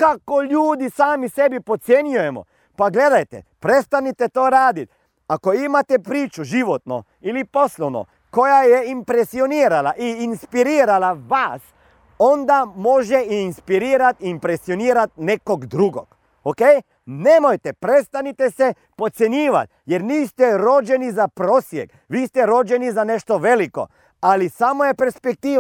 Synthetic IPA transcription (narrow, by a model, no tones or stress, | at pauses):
kakolʲjuːd̪isaːmisɛbipot̪senjujɛmɔ̰ | paɡleːd̪ajt̪ɛ̰pɾɛt̪st̪anit̪ɛt̪oːɾaːd̪it̪ | akoimat̪ɛpɾiːt͡ʃuʒiʋɔt̪nɔ̰ | iliposlɔwnɔ̰ | kojajɛimpɾesioniːɾalaʔiinspiɾiːɾalaʋas | ɔnd̪amoʒɛiinspiɾiːɾat̪iːmpɾesioniːɾat̪̚nekoɡd̪ɾuɡo̰ɡ | okej | nemojt̪epɾest̪anit̪ese | pot̪sjeɲiːʋa̰t̪̚ | jeɾniːst̪ɛɾod͡ʒenizapɾoːsjek | ʋiːst̪ɛɾod͡ʒenizaneʃt̪oʋeliko̞̰ | alisamojepeɾspek̚t̪iː